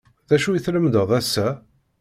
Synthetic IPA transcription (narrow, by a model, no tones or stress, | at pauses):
ðæʃujiθləmd̪əðˤæsːæ